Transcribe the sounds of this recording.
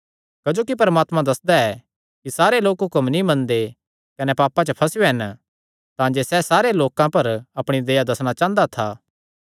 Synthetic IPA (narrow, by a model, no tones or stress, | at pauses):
kɐd͡ʒoːkipɐɾəmaːt̪mãd̪ɐsd̪aɛ | kisaːɾeloːkɦʊkəmnĩmɐ̃nd̪e | kɐnɛpaːpːãt͡ʃəpʰɐsjoɦɛn | t̪ãːd͡ʒesɛsaːɾeloːkãpɐɾɐpɽ̃id̪ɐjad̪ɐsɽ̃at͡ʃãːnd̪at̪ʰaː